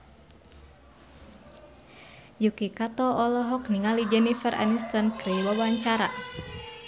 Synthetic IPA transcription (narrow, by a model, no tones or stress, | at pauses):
jukikat̪ɔʔɔlɔɦɔkniŋalid͡ʒɛnifɛrʔa̰nist̪ankɾiwawaɲt͡ʃaɾa̰